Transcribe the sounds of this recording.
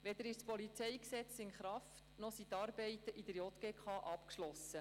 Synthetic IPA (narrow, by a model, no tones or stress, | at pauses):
ʋɛd̪əɾɪʃspɔlit͡sɛjksɛt͡sɪnχɾɑftnɔsit̪ɑːɾbɛɪt̪əʔid̥̪əɾjɔt̪ɡ̥eːkχɑːʔɑpkʃlɔsə